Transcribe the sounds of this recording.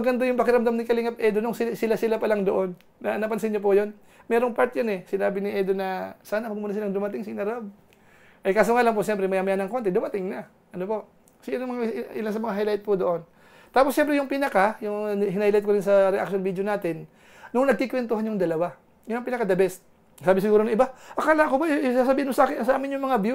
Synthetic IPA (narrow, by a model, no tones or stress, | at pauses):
ɐɡɐnd̪ojʊŋpɐkɪɾɐmd̪amnɪkɐlɪŋap̚ʔɛd̪onʊŋsɪsɪlasɪlapɐlaŋd̪oʔonː | ɐʔɐnapɐns̬ɐɪɲːop̬ʊjon | mɛːɾoŋpaɹt̪jonɛsɪnaːbɪnɪʔɛd̪onɐsaːnɐmɐɡmuːnas̬ɪlaŋd̪ʊmɐt̪ɪŋsɪɪnɐɾʔob̚ | ʔɐjkaːsoŋalaŋp̬oʃɛmpɾɛmɐjaːmɐjanɐŋko̞nt̪ɛd̪ʊmɐt̪ɪŋnɐ | ʔɐnopo̞ʔ | sɪnŋmɐŋʔɪlansɐmɐŋaɦajlajt̪̚pod̪oʔon | t̪aːposʃɛmpɾɛjʊŋpinɐkajʊŋɦɪnajlajt̪̚koɾɪnsɐɾɛʔa̰k̚ʃonbiːd̪jonaːt̪ɪn | nʊŋnɐɡ̚kikwɛnt̪ʊhanjʊŋd̪ɐlɐwa | jʊnɐŋpinɐkad̪ɐbɛs | saːbɪsɪɡuːɾonɐŋʔɪbaʔɐkaːlaʔkobajsasɐbiːhɪnmʊsɐʔaːkɪnɐsɐʔaːmɪnjʊŋmɐŋabju